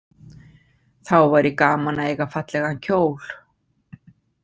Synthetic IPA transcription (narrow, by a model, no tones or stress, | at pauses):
θawvaɾikaːmanaejɣafat̪lɛɣancʰoːwl̥